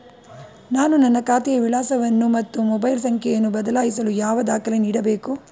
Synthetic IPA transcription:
naːnunɐnːɐkaːt̪ɛjɐʋilaːsɐʋɐnːumɐt̪ːumɔbɐjlsɐŋkʰɛjɐnːubɐd̪ɐlaːjisɐlujaːʋɐd̪aːkɐleniːɽɐbe̞ːku

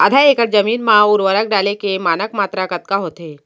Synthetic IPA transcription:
əd̪ʱaeːkəʈd͡ʒəmiːnmãʊɾʋəɾək̚ɖaːlekemaːnəkmaːt̪ɾakət̪̚kaɦoːt̪e

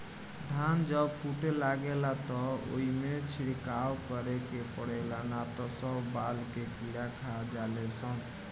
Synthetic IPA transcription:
d̪ʱand͡ʒəbpʰuʈelaɡelat̪ɔo̰ɦimet͡ʃʰiɽkawkəɾekepəɽ̤ɛlanat̪ɔsəbbalkekiɽakʰad͡ʒalɛsən

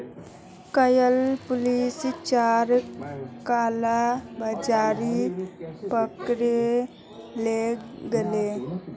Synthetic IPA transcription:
kəjəlpʊlist͡ʃaɾkalabəd͡ʒaɾi | pəkɾe | leɡele

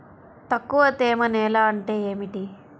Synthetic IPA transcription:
t̪ɐkːuʋɐt̪eːmɐnɛːlaːɐɳʈeːeːmiʈi

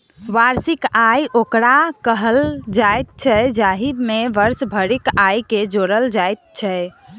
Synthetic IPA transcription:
ʋaɾsikajʔokɾakəɦəld͡ʒajt̪̚t͡ʃʰɛd͡ʒaɦimeʋəɾsbʱəɾikajked͡ʒoɾəld͡ʒajt̪̚t͡ʃʰɛ

